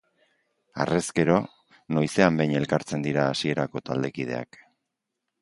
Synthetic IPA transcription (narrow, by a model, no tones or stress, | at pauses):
a̰re̞ske̞ɾo̞ | no̞jse̞ambejɲe̞lkaɾt͡se̞nd̪iɾaːsie̞ɾako̞t̪ald̪e̞kið̞e̞̰a̰k